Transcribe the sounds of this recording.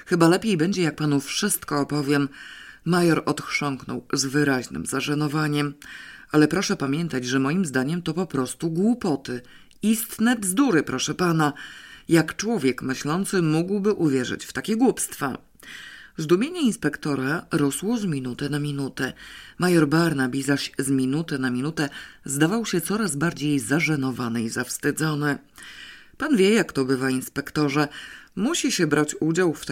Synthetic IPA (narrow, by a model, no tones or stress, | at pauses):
xɘbalɛpʲjejbɛɲd͡ʑɛjak̚panufʂɘst̪kɔːpɔvʲjɛmː | ajɔɾɔt̪xʂɔŋknɔ̰wzvɘɾaʑnɘ̰mzaʐanɔvaɲɛmalɛpɾɔʂɛpamʲjɛnt̪ad͡ʑʐɛmɔjimzd̪aɲɛmt̪ɔpɔpɾɔst̪uɡwupɔt̪ɘ | ist̪nɛvzd̪uɾɘpɾɔʂɛpanajakt͡ʂwɔvʲjɛkmɘɕlɔnt̪sɘmuɡwbɘʔuvʲjɛʐɘ̰t͡ɕft̪akʲɛɡwupst̪fa̰ | zd̪umʲjeɲɛinspɛkt̪ɔɾaɾɔswɔzmʲinut̪ɛnamʲinut̪ɛmajɔɾbaɾnabʲizaɕzmʲinut̪ɛnamʲinut̪ɛzd̪avawɕɛt̪sɔɾazbaɾd͡ʑejzaʐɛnɔvanɘizafst̪ɘd̪zɔnɘ | panvʲjɛjakt̪ɔbɘvainspɛkt̪ɔʐɛmuɕiɕɛbɾat͡ɕud͡ʑawft̪